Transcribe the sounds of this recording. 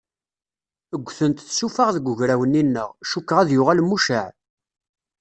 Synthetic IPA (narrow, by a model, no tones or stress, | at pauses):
əɡʷːθənt̪θsufaʁðəɡʊʝɾæwəninːə̰ʁʃukːʁæðjʊʁalmuʃəʕ